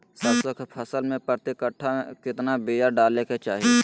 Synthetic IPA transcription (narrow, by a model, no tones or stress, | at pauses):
səbsəkʰt̪pʰɐsəlmẽpət̪ɪkəʈʰaẽkɪt̪nabijaɖaːleket͡ʃaːɦie